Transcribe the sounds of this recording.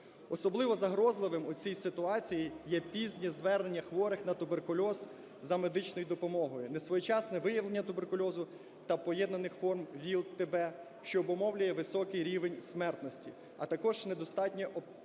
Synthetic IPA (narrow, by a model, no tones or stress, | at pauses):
ɔsɔblˠɪʋɔzɐɦɾɔzlˠɪʋɪmut͡sʲijsɪt̪ʊɑt͡sʲijijɛpʲizʲnʲizʋɛrne̞nʲːɐxʋɔɾɪxnɐt̪ʊberkʊlʲɔz | zɐmed̪ɪt͡ʃnɔjʊd̪ɔpɔmɔɦɔjʊnɛsʋɔjɛt͡ʃɑsnɛʋɪjɐʋlenʲːɐt̪ʊbe̞rkʊlʲɔzʊ | t̪ɐpɔjɛd̪nɐnɪxfɔrmʋʲilˠt̪ebɛ | ʃt͡ʃɔːbɔmɔwlʲʊjɛʋɪsɔkɪjɾʲiʋenʲsmɛrt̪nɔsʲtʲi | ɐt̪ɐkɔʒ̥nɛd̪ɔst̪ɑtʲnʲɛʔɔ